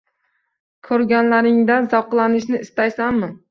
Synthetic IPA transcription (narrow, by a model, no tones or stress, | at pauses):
kʰɵɾɡʲanlaɾɪŋd̪anzɒwqlˠanɪʃnɪɪst̪ajsanmɪ